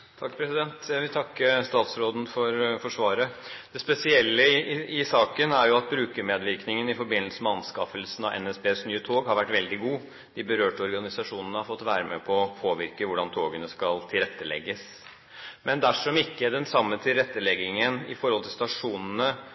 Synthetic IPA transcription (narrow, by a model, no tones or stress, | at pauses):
t̪ʰɑkːpʰɾɛsɪd̪ɛnt̪jæɪʋɪlt̪ʰɑkːəst̪ɑːt̪sɾoːd̪n̩fɔɾfɔʂʋɑːɾəd̪̥ɛspɛsɪɛlːəɪɪsɑːkənæɾjʊɑt̪̚bɾʉːkəmeːd̪ʋɪɾknɪŋənɪfɔɾbɪnːəlsəmɛɑnskɑfəlsənɑʔɛ̰nɛsbeːsnyːət̪ʰoːɡhɑɾʋæʈːʋɛld̪ɪɡuː | d̪̥ɪbəɾøːʈɔɾɡɑnɪsɑʂuːnənəhɑɾfɔt̪ːʋæːɾəmɛ̰pʰɔːpʰoːʋɪɾkəʋʊɖɑnt̪ʰoːɡənəskɑlt̪ʰɪlɾɛt̪ːəlɛ̰ɡːəs | mɛnd̪æʂɔmɪkːəd̪ɛnsɑmːət̪ʰɪlɾɛt̪ːəlɛɡɪŋənɪ̰fɔɾhɔlt̪ʰɪlst̪ɑʂuːnənə